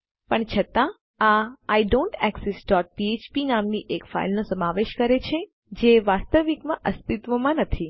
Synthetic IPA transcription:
pəɳt͡ʃʰət̪ã | aːjɖõːɳʈɛksɛsɖɔʈ̚piet͡ʃpinamniʔekfa̰ilnosəmaʋeʃkəɾet͡ʃʰe | d͡ʒeʋast̪əʋikmãʔəst̪it̪ʋomãnət̪ʰi

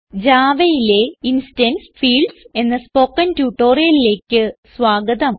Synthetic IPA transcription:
d͡ʑaːʋɐjile̞insidensfiːɭɖse̞nːɐspo̞ːkːɐntjuːʈːo̞ːrijɐlile̞ːkʲːɨsʋaːɡɐðɐm

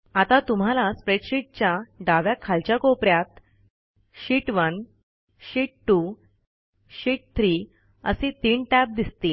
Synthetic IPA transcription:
at̪at̪um̤alaspɾeʈɕiʈ̚t͡ɕjaɖaʋjakʰalt͡ɕjakopɾjat̪ | ɕiːʈʋən | ɕiːʈ̚ʈːu | ɕiːʈ̚t̪ʰɾiː | ə̰sit̪iːɳʈæp̚d̪ist̪i

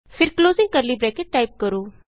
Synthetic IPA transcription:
fʰɪɾkloːzɪ̃ŋɡ̚kəɾlibɾɛːkeʈ̚ːaːɪp̚kəɾoː

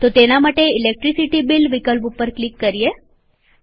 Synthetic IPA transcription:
t̪ot̪enamaʈeilek̚ʈɾisiʈibilʋikəlpupəɾklikːəɾije

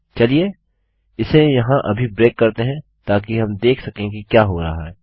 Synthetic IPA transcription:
t͡ʃɐlie | ɪsejɐɦãʔɐbʱibɾeːkːɐɾt̪eɦɛ̃ | t̪aːkiɦɐmd̪eːkʰsɐkẽɡikjaːɦoɾɐɦaɦɛː

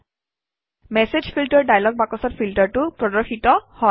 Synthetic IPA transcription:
mɛsed͡ʑpʰiltəɹɖajlɔɡ̚bakɔsɔtpʰiltəɹtupɹɔdɔɹxitɔhɔ

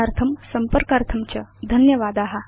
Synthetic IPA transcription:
aɾt̪ʰɐmsɐmpəɾkaɾt̪ʰɐmt͡ɕɐ̰d̪ʱənjɐʋad̪aːɦa

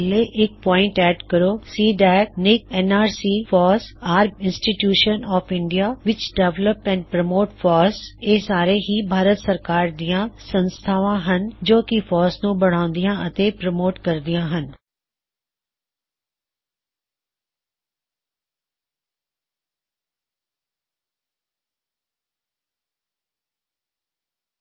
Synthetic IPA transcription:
leʔɪk̚pɔ̃ːɪ̃ɳʈɛːɖkɐɾosiːɖɛːknɪk̚ɛːnaːɾsiːfɔːɾsaːɾbɪ̃nsʈiʈjuːʃənɔːfɪ̃ɳɖijaʋɪt͡ɕɖeʋləpɛ̃ːɳɖpɾɐmoːʈfɔːɾseːsaːɾeɦibʱaːɾət̪sɐɾkaːɾd̪ijãsɐ̃nst̪ʰaːʋãɦənd͡ʒoːkifɔːɾsnũːbɐɽ̃aːʊ̃nd̪ijãʔɐt̪epɾəmoːʈkɐɾd̪ijãːɦən

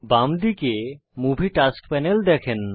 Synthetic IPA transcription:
bamd̪ike | mubʱiʈaskpɛneld̪ɛkʰen

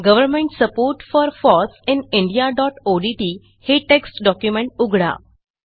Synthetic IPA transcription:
ɡəʋəɾmẽɳʈsəpoɾʈfɔɾfɔsiniɳɖijaɖɔʈoɖiʈiː | heʈeksʈɖɔkjumeɳʈ̚uɡʱɽa̰

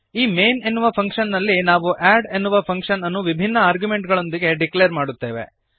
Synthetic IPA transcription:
iːmeːne̞nːuʋɐpʰɐŋkʂɐnːɐlːinaːʋuʔæːɖe̞nːuʋɐpʰɐŋkʂɐnɐnːuʋibʱinːɐaːɾɡjume̞ɳʈɡɐɭo̞nd̪iɡe̞ɖikleɐɾmaːɽut̪ːe̞ːʋe̞̰

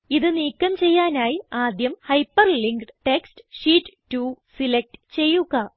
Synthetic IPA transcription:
iðɨniːkːɐmt͡ɕe̞jːaːnaːjiaːd̪jɐmhɐjpːɐrliŋɡʈekstɨ̥ʂiːʈːtːuːsilek̚ʈɨ̥t͡ɕe̞jːuɣɐ

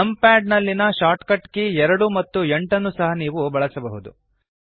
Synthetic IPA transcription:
ɐmpæːɖnɐlːinɐʃaːʈkɐʈkeɛɾɐɽumɐt̪ːueɳʈɐnːusɐɦɐniːʋubɐɭɐsɐbɐɦud̪ṵ

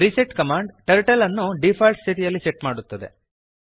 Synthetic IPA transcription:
ɾiseʈkɐmaːɳɖʈɐɾʈɐlɐnːuɖipʰaːlʈsit̪ijɐlːiseʈmaːɽut̪ːɐd̪e

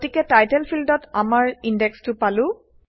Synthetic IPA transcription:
tikɛtajtɛlpʰildɔtamaɹindɛkstʊpalʊ̃

